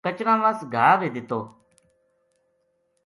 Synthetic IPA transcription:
kət͡ʃɾãːʋãːsɡʱaːʋeːd̪ɪt̪oː

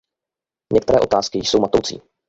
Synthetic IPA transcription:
ɲɛk̚t̪ɛɾɛːʔo̞t̪aːskɪjjso̞wmat̪owt͡sḭː

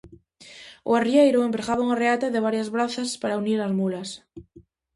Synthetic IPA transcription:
o̰ariejɾoempɾeɣaβauŋareat̪aðeβ̞aɾjazβɾaθaspaɾauniɾazmulas

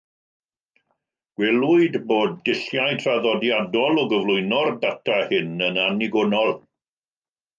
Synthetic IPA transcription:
ɡ̥wɛlˠuɨdboːd̚ːɪɬjajtʰraðɔdjadɔlˠɔɡəvlˠʊɨnɔrdatʰahɪnənaniɡʊnɔlˠ

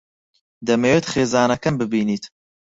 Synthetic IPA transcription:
d̪ɐmewet̪χeːzɑːnɐkɐmbɨbiːniːt̪

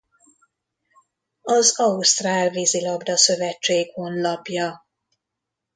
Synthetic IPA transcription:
ɒzɒust̪raːlvizilɒbd̪ɒsø̞vɛt͡ʃːeːɡho̞nlɒpjɒ

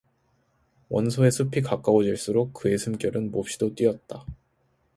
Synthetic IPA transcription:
wʌnsʰoe̞sʰupʰikak͈aod͡ʑiɭs͈uɾok̚k͈ɯe̞sʰɯmk͈jʌɾɯnmop̚ɕ͈idot͈wiʌt̚t͈a

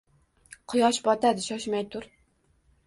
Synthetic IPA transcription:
qʰɨjɒʃbɒt̪ʰad̪ɪʃɒʃmajt̪ʰʊɾ

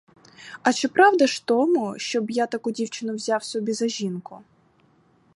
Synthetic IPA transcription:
ɐt͡ʃɪpɾɑwd̪ɐʃt̪ɔmʊʃt͡ʃɔbjat̪ɐkudʲiwt͡ʃɪnʊwzʲawsɔbʲizɐʒʲinkʊ

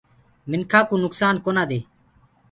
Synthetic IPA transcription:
mɪnkʰaːkuːnʊksaːnkoːnaːd̪eː

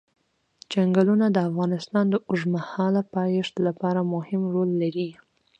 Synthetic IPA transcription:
d͡ʒaŋɡalunad̪əafɣɑnɪst̪ɑnd̪əʔʊʒmahɑlapɑjɪʂt̪lapɑɾamʊhɪmɾolːaɾi

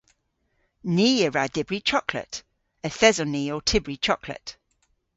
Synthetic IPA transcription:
niːəɹadɪbɹit͡ʃʰɔkʰlə̰t | əθɛzɔniːotʰɪbɹit͡ʃʰɔkʰlə̰t

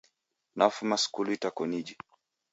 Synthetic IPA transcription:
nafumaskuluitakɔnid͡ʒi

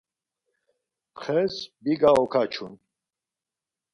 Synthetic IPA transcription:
χɛsbiɡaɔkʰat͡ʃʰun

